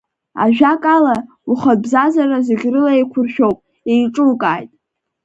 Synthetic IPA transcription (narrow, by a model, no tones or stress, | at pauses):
a̰ʒᶣakʼala | uχabzazarazɪɡʲrɨlaekʷʰʊrʃᶣo̞wpʼ | ejʈ͡ʂʼɨlkʼaːjtʼ